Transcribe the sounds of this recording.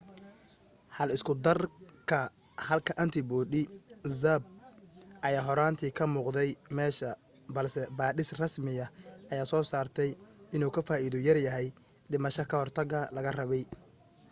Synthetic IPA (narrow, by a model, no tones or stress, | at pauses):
hɐlɪskʰʊd̪ɐrkʰɐ | hɐlkʰɐʔɐnt̪ʰɪbɔːɗɪzɐb̚ʔɐjaːɦɔɾaːnt̪ʰiːkʰɐmuːqd̪ɛjmɛːʃɐ | bɐlsɛbaːɗɪsrɐsmɪjɐʔɐjaːsɔːsaːrt̪ʰɛjɪnuːkʰɐfaːiːðʊjɐrjɐɦɛj | ɖɪmɐʃɐkʰɐhɔrt̪ʰɐɣɐlɐɣɐrɐβɛj